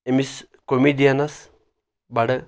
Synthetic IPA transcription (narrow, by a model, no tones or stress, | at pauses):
emis | komiːdijanɐs | bɐɽɨ